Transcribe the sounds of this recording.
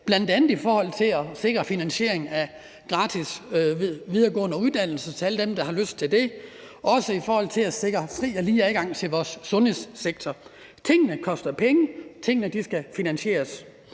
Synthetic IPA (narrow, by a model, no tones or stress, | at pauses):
b̥lænd̥ænð̩ˠifɒːhɒ̽l̰t͡sʰe̝lɒse̝ɡ̥ʁɐfinænɕe̝ɐ̰eŋn̩æ | ɡ̥ʁɑ̈ːt͡sʰis | ʋið̞ˠɐɡ̥ɔ̰̽ːnəuðˠd̥æn̰l̩sɐt͡sʰe̝æləd̥emd̥ɑ̈hɑ̈løsd̥̚t͡sʰe̝ld̥e̝ | ʔɒ̽səifɒːhɒ̽l̰t͡sʰe̝læse̝ɡ̥ʁɐfʁḭːɒliːæðɡ̥ɑ̈ŋ̰t͡sʰe̝lʋɒːsːɔ̽nhe̝sseɡ̥̚t͡sʰɒ | t͡sʰe̝ŋ̰nəkʰɒ̽sd̥ɐpʰeŋət͡sʰe̝ŋ̰nəd̥isɡ̥æfinænɕe̝̰ːɐs